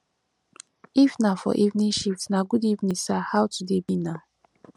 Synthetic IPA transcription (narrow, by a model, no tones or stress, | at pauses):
ifnafɔ̰ʔivnĩʃitnaɡudivnĩsahawtudebina